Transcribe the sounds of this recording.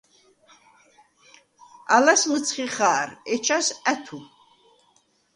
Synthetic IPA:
a̰lasməsʰχiχaːɾɛt͡ʃʰasæt̪ʰu

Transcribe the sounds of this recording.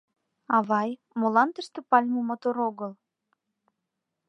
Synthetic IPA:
ɑβɑj | molɑnt̪əʃt̪ĕpɑlʲmomot̪oɾoɣəl

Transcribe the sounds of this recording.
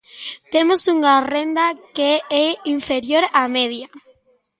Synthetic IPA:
t̪emosuŋarend̪akeɛiɱfeɾjoɾameðja

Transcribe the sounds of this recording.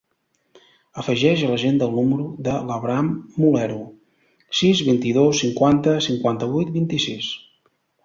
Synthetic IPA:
əfəʒɛʒələʒend̪əlˠnuməɾuðələβɾamːulɛɾu | sizβint̪iðosːiŋkwant̪əsiŋkwant̪əβujt̪̚bint̪isis

